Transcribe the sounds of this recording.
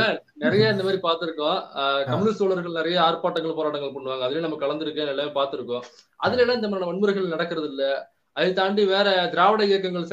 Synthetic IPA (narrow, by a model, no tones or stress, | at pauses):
sɐɾnɪɾɐjɐɪnd̪ɐmaːɾipaːɾt̪ɯɾɯkːõːkɐmːɯnɪst̪oːɭɐɾɣɐɭnɪɾɐjɐaːɾpaːʈːɐŋɡɐɭpoːɾaːʈːɐŋɡɐɭpɐɳːɯʋaːŋɡɐðɪljnɐmːɐkɐɭɐnd̪ɪɾɯkːẽnɛlːɐmepaːɾt̪ɯɾɯkːõː | ʔɐðɪlɐnːãːɪnd̪ɐmaːɾɪnɐmɐnmɯɾɐɪɣɐɭnɐɽɐkːɯɾɐðɪlːɐ | ɐðɯt̪aːɳɖiʋeːɾɛd̪ɪɾaːʋɐɽɐɪjɐkːɐŋɡɐɭs